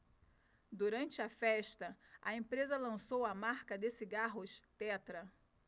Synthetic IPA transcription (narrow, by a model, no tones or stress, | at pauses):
d̪uɾɐ̃nt͡ʃɪɐfɛʃt̪ɐʔɐẽpɾezɐlɐ̃sowɐmaɾkɐd̪esiɡaɦʊʃt̪ɛt̪ɾɐ